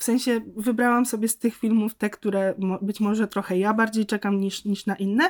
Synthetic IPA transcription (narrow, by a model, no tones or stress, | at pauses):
fsɛ̃ɲ̃ɕɛvɘbɾawamsɔbʲjɛst̪ɘxfʲilmuft̪ɛkt̪uɾɛmɔbɘt͡ɕmɔʐɛt̪ɾɔxɛjabaɾd͡ʑejt͡ʂɛkamɲiʂɲiʂnaʔinːɛ